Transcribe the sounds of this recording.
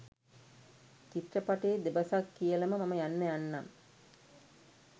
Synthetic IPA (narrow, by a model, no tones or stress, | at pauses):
kit̪rɐpaʈeːd̪ebɐsakːijəlɐməmaməjanːəjanːam